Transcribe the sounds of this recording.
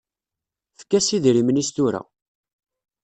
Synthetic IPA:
fə̥kːæsiðɾimnist̪ʊɾæ̰

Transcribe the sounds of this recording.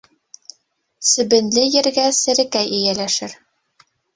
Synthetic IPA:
sɘ̆bɘ̆nlɘjɘ̆ɾɡæsɘ̆ɾɘ̆kæjɘjælæʃɘɾ

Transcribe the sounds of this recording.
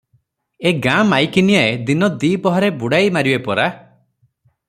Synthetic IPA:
eɡamajkinijaed̪inɔd̪ipɔɦɔɾebuɽajmaɾibepɔɾa

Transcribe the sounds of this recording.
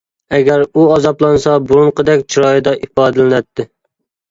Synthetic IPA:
ɛɡʲæɾuɑzɑplˠɑnsɑbuɾuɴqəd̪ɛkʲt͡ʃʰuɾɑjɨd̪ɑʔipɑːd̪ɨlɪnɛt̪ʰːɪ

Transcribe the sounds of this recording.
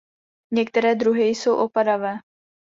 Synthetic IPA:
ɲɛk̚t̪ɛɾɛːd̪ɾuɦɪjso̞wʔo̞padavɛː

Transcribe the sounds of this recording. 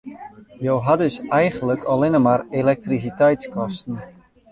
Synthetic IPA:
jowɦadøsɛjɣənləkʰɔlɪnəmarelɛk̚tris̬itɛjtskɔstn̩

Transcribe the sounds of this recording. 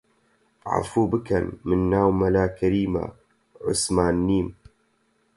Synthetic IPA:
ʕa̰fuːbɨkɐnmɨnːaːwmɐlaːkʰɐɾiːma̰ | ʕʊ̰smaːnːiːm

